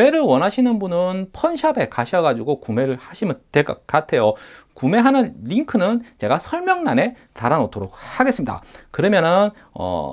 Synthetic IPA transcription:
e̞ɾɯɭwʌnɦaɕʰinɯnbunɯnpʰʌnɕʰabe̞kaɕʰʌɡad͡ʑuɡokume̞ɾɯɭhaɕʰimɯntwek͈ʌk͈atʰe̞jokume̞ɦanɯnʎiŋkʰɯnɯnt͡ɕe̞ɡasʰʌɭmjʌŋnane̞ | taɾanotʰoɾok̚haɡe̞s͈ɯmɲida̰kɯɾʌmjʌnɯn | ʌ̰

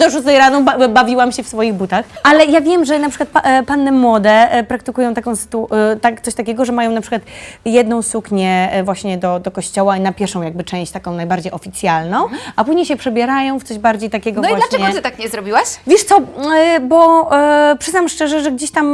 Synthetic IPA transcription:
d̪ɔʐuzɛjɾanɔbavʲiwamɕɛfsfɔjiɣbut̪axalɛjavʲjɛmʐɛnapʂɨkwat̪̚ppanːɛmwɔd̪ɛpɾak̚t̪ɘkujɔ̃w̃t̪akɔ̃w̃sɘ̥t̪ut̪akt̪sɔɕt̪akʲɛɡɔʐɛmajɔ̃w̃napʂɘ̥ɨkwat̪jɛd̪nɔ̃w̃sukɲɛvwaɕɲɛd̪ɔd̪ɔkɔɕt͡ɕɔwanapʲjɛɾfʂɔ̃w̃jaɡ̚bɘt͡ʂɛ̃ɕt͡ɕt̪akɔ̃w̃najbaɾd͡ʑejɔfʲit̪sʲjalnɔ̃w̃apuʑɲejɕɛpʂɛbʲjɛɾajɔ̃w̃ft̪sɔʑbaɾd͡ʑejt̪akʲɛɡɔvnivalaɛɛɡɔt̪ɨt̪akɲɛzɾɔbʲiwaɕvʲjɛʂt̪sɔbɔ | pʂɘznamʂt͡ʂɛʐɛʐɛɡd͡ʑeɕt̪am

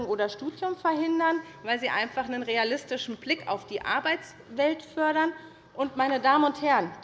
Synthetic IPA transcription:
ŋʔoːɾɐʃtuːdjʊmfɛɐhɪndɐn | vaɪlziːʔa̰ɪnfaχnənʁealɪstɪʃn̩blɪka̰ʊfd̥iːʔa̰ɐbaɪt͡s | v̥ɛltfœɐɾɐn | ʔʊntmaɪnədaːmənʊnthɛɐən

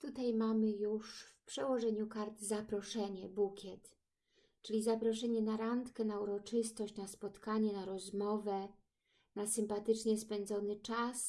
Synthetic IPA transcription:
t̪ut̪ajmamɘjuʂfpʂɛwɔʐɛɲukaɾt̪zapɾɔʂɛɲɛbukʲɛt̪ | t͡ʂɘlʲizapɾɔʂɛɲɛnaɾant̪kɛnauɾɔt͡ʂɘst̪ɔɕt͡ɕnaspɔt̪kaɲɛnaɾɔzmɔvɛ | nasɘmpat̪ɘt͡ʂɲɛspɛnd̪zɔnɘt͡ʂas

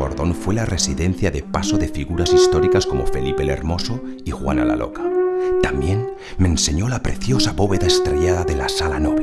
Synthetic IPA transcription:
o̞̰ɾðo̞nfwe̞lare̞siðe̞n̟θjaðe̞pasoðe̞fiɣuɾasist̪o̞ɾikasko̞mo̞̰fe̞lipele̞̰ɾmo̞soixwa̰na̰la̰lo̞̰kḁt̪ambje̞n | mẽ̞nse̞ɲo̞lapɾe̞θjo̞saβo̞βe̞ðaest̪ɾeʝaðaðe̞lasalanoβl

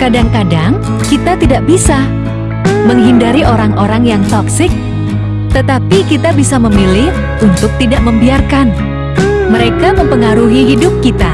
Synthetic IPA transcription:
kadaŋkadaŋ | kit̪at̪idaʔbisa | məŋɦindaɾiʔoɾaŋoɾaŋjaŋt̪ɔksɪk̚ | t̪ət̪apikit̪abisaməmilɪh | ʔunt̪ʊk̚t̪idaʔməmbiarkan | məɾekaməmpəŋaɾuɦiɦidʊp̚kit̪a

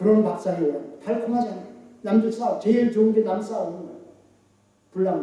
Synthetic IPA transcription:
kɯɾʌnpak̚s͈aijʌtʰaɭkʰumɦad͡ʑanajonamd͡ʑuks͈aʌp̚t͡ɕeɭt͡ɕoɯnɡenams͈ʰaʌnɯna | puɭːam

